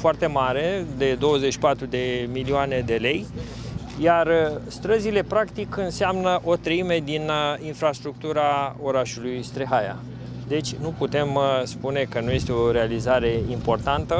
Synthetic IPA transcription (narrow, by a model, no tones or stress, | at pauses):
foart̪e̞maɾe̞d̪e̞d̪o̞wəzeʃi̥pat̪ɾud̪e̞milioane̞d̪e̞le̞j | jarst̪ɾəzile̞pɾakt̪ikɨnseamnəʔo̞t̪ɾəime̞d̪ininfɾast̪ɾuk̚t̪uɾao̞ɾaʃulujst̪ɾeɦaja̰ | d̪e̞t͡ʃʲnuput̪e̞mspune̞kənuje̞st̪eo̞ɾealizaɾe̞impo̞rt̪ant̪ə